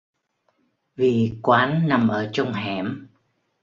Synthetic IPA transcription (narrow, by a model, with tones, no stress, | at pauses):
vi˨˩kwaː˨˦nːa˨˩mʔəː˧˩t͡ɕə˧wŋ͡mɦɛ˧˩m